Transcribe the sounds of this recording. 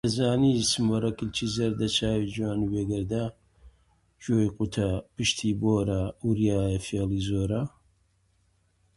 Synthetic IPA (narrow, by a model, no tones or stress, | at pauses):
ɐzaːnisɨmwɐrɐkɨlt͡ʃʰiːzɐɾd̪ɐt͡ʃʰaːwid͡ʒwaːnweːɡɐɾd̪a | d͡ʒoːjqut̪ʰɐpɨʃt̪ʰiːboːɾɐuɾjaːjɐfeliːzoːɾa